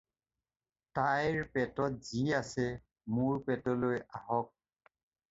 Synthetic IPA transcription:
tajɹpɛtɔtziasɛ | mʊɹpɛtɔlojaɦɔk̚

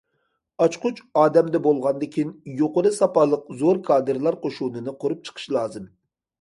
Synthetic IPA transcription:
ɑt͡ʃqʰʊt͡ʃɑːd̪ɛmd̪ɛbolˠʁɑnd̪ɪkʲʰinjoqəɾɨsɑpɑlˠəq̚zoɾkʰɑːd̪ɨɾlˠɑɾqʰoʃunɨnɨqʰoɾup̚t͡ʃʰə̥qʰə̥ʃlˠɑːzɨm

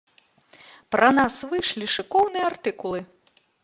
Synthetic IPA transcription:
pɾɐnasvɨjʂlʲiʂɨkɔwnɨjɐart̪ɨkulˠɨ

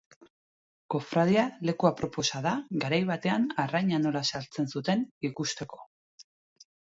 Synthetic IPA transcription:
ko̞fɾaðiale̞kuapɾo̞po̞saðaɡaɾajβ̞at̪e̞anarajɲano̞lasalt͡se̞nsut̪e̞nikust̪e̞ko̞̥

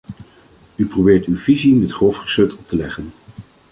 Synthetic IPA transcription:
yprobɪːɹtywvizimɛtχrɔfχə̥søtʰɔp̚təlɛχən

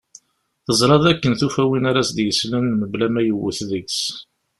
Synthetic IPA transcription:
θəzˤɾˤɑðækːənθufæwinaɾæsd̪jəslənːməblæmæjəwːəθðəks

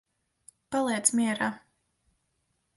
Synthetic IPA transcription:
palˠiɛt̪smʲiɛɾaː

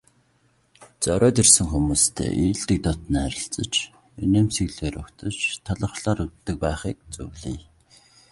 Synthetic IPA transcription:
t͡sœɾœːt̪ersɘ̆ŋxumuːst̪ʰḛːʔiːɮt̪ĭk̚t̪ɔt̪̆nːæɾʲɪ̆ɬt͡sə̆t͡ɕ | eneːmsiɣɮeːɾɵkt̪ə̆t͡ɕt̪ʰaɮə̆χɮaːɾut̪ːɘ̆k̚pæːχiːk̚t͡sṵwɮiːj

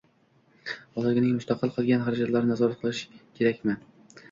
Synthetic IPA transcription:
ɒlɪlɪɡʲɪnɪŋmʊst̪aqʰɨlˠqʰɨlˠɡʲanχaɾad͡ʒat̪laɾnɪnazɒɾat̪̚qʰɨlˠɪʃɪ̥kʲʰe̞ɾakʲmɪ

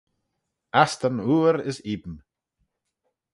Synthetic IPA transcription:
ast̪anuːɾɪsiːbən

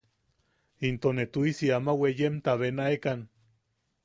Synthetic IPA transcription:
int̪onet̪uisiamawejemt̪aβenaekan

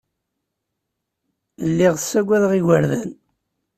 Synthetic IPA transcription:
əlːiʁəsːæɡʷæðʁiwəɾðæn

